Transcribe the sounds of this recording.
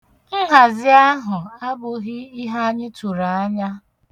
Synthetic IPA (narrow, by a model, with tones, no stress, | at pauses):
n̩˦ɦa˨zɪ˦a˦ɦʊ˨a˦bʊ˨ɦɪ˦i˦ɦa˦ɲɪ˦tu˨ɾa˨a˦ɲa˦